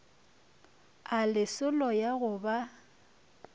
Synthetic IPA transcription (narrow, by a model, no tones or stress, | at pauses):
alɪsʊlɔjaɣʊba